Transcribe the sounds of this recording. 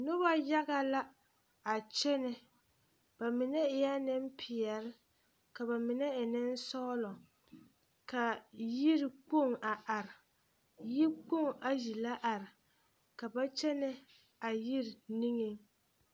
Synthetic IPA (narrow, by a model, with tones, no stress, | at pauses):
nʊ˦ba˦ja˦ɣa˦la˦ | a˨t͡ʃɛ˦nɪ˨ | ba˨mɪ˨nɛ˦ɪ˨ja˦nɪ˦m̩˦pʰɪ˨ɛ˨lɪ˦ | ka˨ba˨mɪ˨nɛ˦ɪ˨nɪ˦n˦sɔː˦lɔ˨ | ka˨ji˦ɾk͡po˦˨ŋa˨ʔa˨ɾɪ˨ | ji˦k͡po˦˨ŋa˨ʒi˨la˦ʔa˨ɾɪ˨ | ka˨ba˦t͡ʃɛ˦nɪ˦ | a˨ji˦ɾɪ˨ni˦ŋɪ˦ŋ